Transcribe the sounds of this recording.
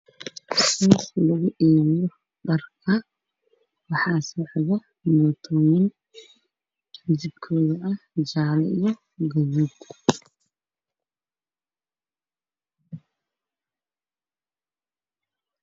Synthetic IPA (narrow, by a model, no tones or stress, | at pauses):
suːχlɐɣʊʔɛːβɪjɔ | ɖɐrkʰɐ | wɑħɑːsɔʕðɐ | mɔːt̪ʰɔwɪn | d͡ʒɪbkʰɔːðɐʔɐd͡ʒaːlɛijɔ | ɡɐðuːb